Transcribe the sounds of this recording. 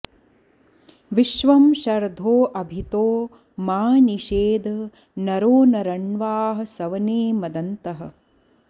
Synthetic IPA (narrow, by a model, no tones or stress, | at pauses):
ʋiʃʋɐmʃɐɾd̪ʱoːʔɐbʱit̪oː | maːniʃeːd̪ʱɐ | nɐɾoːnɐɾɐɳʋaːɦɐ̆sɐʋɐneːmɐd̪ɐnt̪ɐɦɐ̰̆